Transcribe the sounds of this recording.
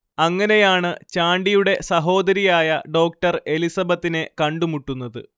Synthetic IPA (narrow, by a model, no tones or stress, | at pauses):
ɐŋːɐne̞jaːɳɨt͡ɕaːɳɖijuɽe̞sɐɦo̞ːd̪ɐɾijaːjɐɖo̞ːk̚ʈɐre̞lisɐbɐt̪ːine̞kɐɳɖumuʈːunːɐðɨ̰